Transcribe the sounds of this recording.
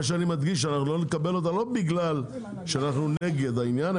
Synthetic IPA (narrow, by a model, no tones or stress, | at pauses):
aʃ̬eanimad̪ɡiʃ̬ːeanaχnulo̞nekabe̞lo̞t̪alo̞biɡlal | ʃeanaχnune̞ɡe̞d̪ainjana